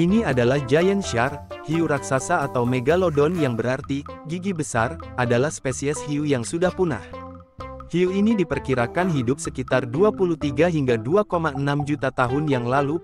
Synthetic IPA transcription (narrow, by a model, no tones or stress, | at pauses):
ʔiniadalahd͡ʒajɛnʃarhiuɾaksasaːt̪awmeɡalɔdɔnjaŋbəɾart̪iɡiɡibəsaradalahspesiɛshiujaŋsudahpuna̰h | hiuinidipərkiɾakanɦidʊp̚səkit̪arduapulut̪iɡaɦiŋɡaduakomaənamd͡ʒut̪at̪aɦʊnjaŋlalu